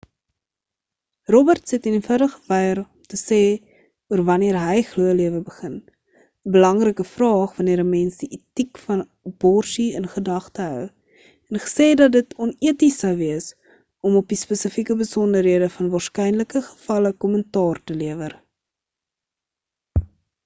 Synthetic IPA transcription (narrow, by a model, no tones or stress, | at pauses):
rɔbərtsɛtənənfədəχəvɛjərɔmtəsɛː | uərvɐniəɾɦəjχluəliəvəbəχən | əbəlɐŋrəkəfrɑːχvɐniəɾɦəmɛnsdiʔitikfɐn | b̥ɔrsiənχədɐχtəɦœw | ɛnχə̥sɛːdɐt̚dətɔniətisɐwviəs | ɔmɔp̚dispəsəfikəbəsɔndəɾɦiədəfɐnvɑːrskɛjnləkəχə̥fɐləkɔməntɑːrtəliəvər